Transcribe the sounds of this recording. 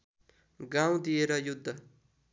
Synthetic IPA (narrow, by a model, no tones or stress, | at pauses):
ɡãw̃d̪ijeɾʌjud̪ʱːʌ